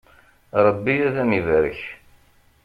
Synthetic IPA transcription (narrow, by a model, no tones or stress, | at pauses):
ɾˤəbːiæðænivɾə̰ç